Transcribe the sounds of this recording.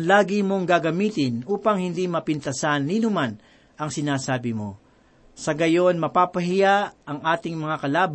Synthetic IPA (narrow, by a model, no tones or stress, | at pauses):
laːɡɪmo̞ŋɡaɡɐmiːt̪ɪnʔuːpɐŋhɪnd̪imɐpɪnt̪ɐsanːiːnʊman | ʔɐŋsɪnaːsaːbɪmo̞̰ | sɐɡɐjo̞nmɐpaːpɐɦɪjaɐŋʔaːt̪ɪŋmɐŋakɐlaːb